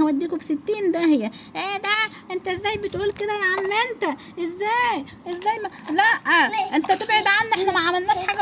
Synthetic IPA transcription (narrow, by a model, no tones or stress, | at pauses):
æwæd̪ːiːkofset̪ːiːnd̪æhejːæʔæːd̪æʔent̪æʔezːæːjbet̪ʔuːlked̪æjʕamːent̪æ | ʔezːæːj | ʔezːæːjmælæʔæʔent̪æt̪ebʕed̪ʕanːʔeħnæmæʕamælnæːʃħaːɡæ